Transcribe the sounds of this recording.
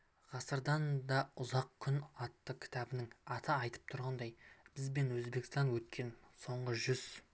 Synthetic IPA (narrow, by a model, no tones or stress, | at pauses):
ʁ̥ɑsəɾd̪ɑnd̪ɑʊzɑq̚kʲʰʏnɑt̪ːəkʲʰɪ̥t̪ɑbɪnɪŋɑt̪ʰəɑjt̪ʰə̥p̚t̪ʰʊɾʁɑnd̪ɑjb̥ɪzbe̞nwɵzbe̞kst̪ɑnwɵt̪̚kʲʰe̞nso̞ɴʁəʒʏz̥